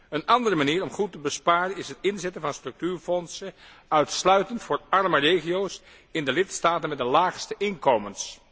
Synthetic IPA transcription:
ənɑndərəmaniːɹɔmχutːəbəspaːrənɪsɦətɪnzɛtənvɑnstrɵk̚tyːɹfɔnsə | œɥtslœɥtəntfʊːɹɑɹmərejχiows | ɪndəlɪtstaːtənmɛdəlaːχstəʔɪnkowməns

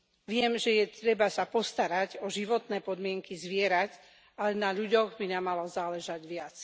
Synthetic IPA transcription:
ʋɪɛmʒɛjɛt̪ɾɛbasapɔst̪aɾaɟɔʒiʋɔt̪nɛːpɔd̪mɪɛŋkizʋɪɛɾac | alɛnaʎuɟɔɣbinamalɔzaːlɛʒaɟʋɪat͡s

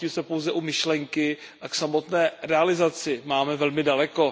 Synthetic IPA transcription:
ɪsɛpowzɛʔumɪʃlɛŋkɪʔaksamo̞t̪nɛːɾɛalɪzat͡sɪmaːmɛvɛlmɪdalɛko̞

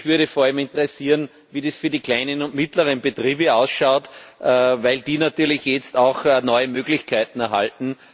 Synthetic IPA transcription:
çvyɐɾəfoːɐalmɪ̃ntəʁesiːn | viːdesfyɐdiːkl̥æɪnənʊntmɪtləʁənbetʁiːbəaʊsʃaʊtʔəvæɪldiːnatyːɐlɪçjɛt͡staʊxnɔʏəmøːɡlɪçkʰaɪtn̩ɛɐɦa̰ltn̩

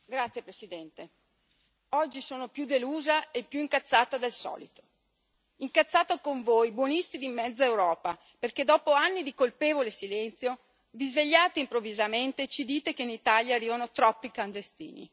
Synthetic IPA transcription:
ɡɾat̪sːjepɾesid̪ɛnt̪e | ɔd͡ʒːisoːnopjud̪eluːzaepːjuiŋkat̪sːaːt̪ad̪elsɔ̰ːlit̪o̥ | iŋkat̪sːaːt̪okoɱvojbwɔnist̪id̪imːɛd̪zːaewɾɔːpa | perked̪ɔːpoanːid̪ikolpeːvolesilɛnt̪sjo | vizveʎːaːt̪eimpɾovːizament̪et͡ʃid̪iːt̪ekeinit̪aːljaːrːiːvanot̪ɾɔpːikand̪est̪ḭːnḭ

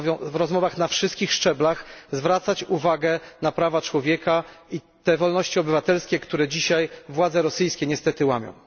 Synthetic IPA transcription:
vʲɔ̃vɾɔzmɔvaxnafʂɨst̪kʲixʂt͡ʂɛblaxzvɾat̪sat͡ɕuvaɡɛnapɾavat͡ʂwɔvʲjɛkai | t̪ɛvɔlnɔɕt͡ɕiɔbɘvat̪ɛlskʲɛkt̪uɾɛd͡ʑiɕajvwad̪zɛɾɔsɘjskʲɛɲɛst̪ɛt̪ɘwamʲjɔ̰̃w̃

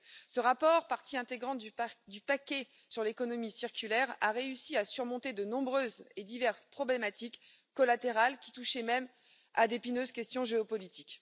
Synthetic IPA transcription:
səʁapɔʁpaʁt̪iɛ̃t̪eɡʁɑ̃d̪ypakʲɛ | syʁlekɔnɔmisiʁkʲylɛʁaʁeysiasyʁmɔ̃t̪ed̪ənɔ̃bʁøzed̪ivɛʁspχɔblemat̪ikː | ɔlat̪eʁalkʲi̥t̪uʃɛmɛm | ad̪epinøzkʲɛst̪jɔ̃ʒeɔpɔlit̪ik

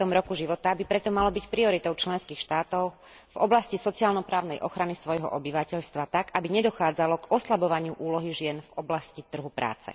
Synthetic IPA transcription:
t̪ɔmɾɔkuʒiʋɔt̪abipɾɛt̪ɔmalɔbicpɾiɔɾit̪ɔʊt͡ʃlɛnskiːxʃt̪aːt̪ɔʊ | vɔblascisɔt͡siaːlnɔpɾaːʊnɛjʔɔxɾanisʋɔjɦɔ̰ʔɔbiʋacɛʎst̪ʋat̪akabiɲɛd̪ɔxaːd͡zalɔɡɔslabɔʋaɲɪuʔuːlɔɦiʒɪɛnvɔblascit̪r̩ɦupɾa̰ːt͡sɛ̰

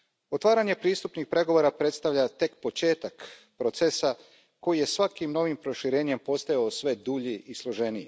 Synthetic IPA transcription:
o̞t̪ʋaːɾaɲe̞pɾiːst̪upnixpɾe̞ɡo̞ʋo̞ːɾapɾe̞t̪st̪aʋʎat̪e̞kpo̞t͡ʃe̞ːt̪ak | pɾo̞t̪sesa | ko̞jije̞sʋakimno̞ʋimpɾo̞ʃiɾe̞ːɲe̞mpo̞st̪ajaosʋe̞d̪uːʎiʔislˠo̞ʒe̞nije

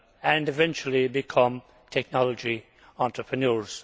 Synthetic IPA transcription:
ə̃nɨvɛ̃nt͡ʃəl̩ˠibɪkʰʌ̃m | tʰɛk̚nɑlˠəd͡ʒi | ɑ̃ntɹ̥əpʰɹənɔɹz̥

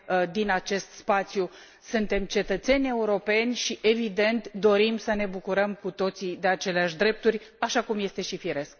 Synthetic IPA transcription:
d̪inat͡ʃe̞st̪spat̪sju | sunt̪e̞mt͡ʃe̞t̪ət̪se̞nʲe̞uɾo̞pe̞nʲʃiʔe̞vid̪e̞nt̪d̪o̞ɾimsəne̞bukuɾəmkut̪o̞t̪sid̪e̞at͡ʃe̞leaʃʲd̪ɾe̞p̚t̪urʲaʃakumje̞st̪e̞ʃifiɾe̞sk̚

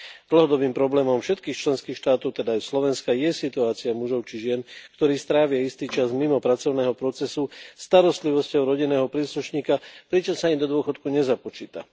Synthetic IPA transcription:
d̪l̩ɦɔd̪ɔbiːmpɾɔblɛːmɔmfʃɛt̪kiːxt͡ʃlɛnskiːxʃt̪aːt̪ɔʊt̪ɛd̪aːjslɔʋɛnskajɛsit̪uaːt͡siamuʒɔʊt͡ʃiʒɪɛnkt̪ɔɾiːst̪ɾaːʋɪaist̪iːt͡ʃazmimɔpɾat͡sɔʊnɛːɦɔpɾɔt͡sɛsust̪aɾɔst̪liʋɔscɔʊɾɔɟinɛːɦɔpɾiːsluʃɲiːkapɾit͡ʃɔmsaiɲd̪ɔd̪ʊɔxɔt̪kuɲɛzapɔt͡ʃiːt̪a̰

